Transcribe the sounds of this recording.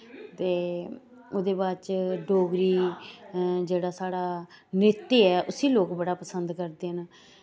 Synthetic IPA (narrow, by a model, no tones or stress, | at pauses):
t̪eː | oːd̪eːbaːt͡ʃɖoːɡɾiː | d͡ʒeːɽaːsaːɽaː | nɪt̪ːiːɛːʔʊsiːloːkbəɽaːpəsənd̪kəɾd̪eːɦən